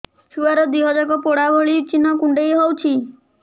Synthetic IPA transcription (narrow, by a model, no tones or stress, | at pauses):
suaɾɔd̪iɦɔd͡ʒakɔpoɽabʱoɭit͡ʃinɔkuɳɖejɦɔwt͡ʃʰi